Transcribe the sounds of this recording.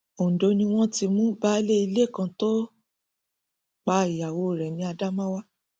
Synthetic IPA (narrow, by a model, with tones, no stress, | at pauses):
o˨n̩˨do˨˧nĩ˧w̃ɔ̃˦ti˧mũ˦ba˦le˦i˧le˦˨kã˧to˦ | k͡pa˧˦i˨ja˨wo˧˦˨ɾɛ˨nĩ˧˦a˧da˦mã˦wa˦